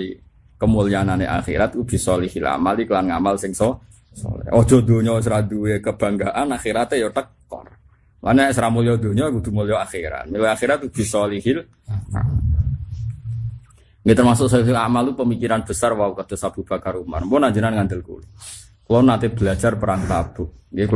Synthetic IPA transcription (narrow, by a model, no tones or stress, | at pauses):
i | kəmuliananḛʔa̰xḭɾat̪̚kub̥i̤sɔlihila̰malikəlanŋa̰malsɪŋsɔ | sɔ̰lɛ̰ɔd̥ʒ̥ɔ̤d̪o̤ɲɔs̬ɾad̪uwekəb̥a̤ŋɡaʔanaxiɾat̪ejɔt̪əkː | ɔ̰r | lanɲaesɾamuliɔd̪o̤ɲɔɡud̪̥ṳmuliɔaxiɾa̰t̪̚milɔaxiɾat̪̚ub̥i̤sɔliɦɪl | a̰m | ŋɡit̪ərmasʊksɔiɦilamalt̪upəmikiɾanb̥əsarwaukad̪̥o̤sab̥ub̥a̤kaɾuma̰nmɔnaɲd͡ʒənanŋand̪əlkṵl | klɔnːat̪ɪb̥əlad͡ʒarpəɾaŋt̪ab̥ʊʔɡik